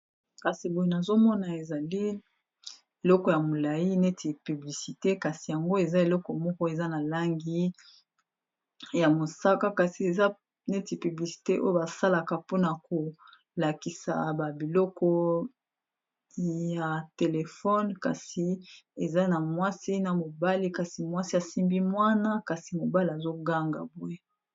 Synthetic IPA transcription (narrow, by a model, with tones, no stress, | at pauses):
ka˨si˨bo˨e˨na˨zo˦mɔ˦na˨e˨za˨li˦ | e˨lɔ˦kɔ˨ja˨mo˨la˨ji˦ne˦tʰi˨py˨bli˨si˨te˦ka˨si˨ja˨ŋɡo˦e˨za˦e˨lɔ˦kɔ˨mɔ˦kɔ˦e˨za˦na˨la˦ŋɡi˦ | ja˨mo˨sa˦ka˦ka˨si˨e˨za˦ | ne˦ti˨py˨bli˨si̥˨te˦ʔo̰˦jo˦ba˨sa˦la˨ka˨po˦na˨ko˨ | la˨ki˨sa̰˨ba˨bi˨lɔ˦kɔ˦ | ja˨te˨le˨fɔ˦nka̰˨si˨e˨za˦na˨mwa˦si˦na˨mo˨ba˦li˦ka˨si˨mwa˦si˦a˨si˦mbi˦mwa˦na˦ka˨si˨mo˨ba˦li˨a˨zo˦ɡa˦ŋɡa̰˨bu˦e˦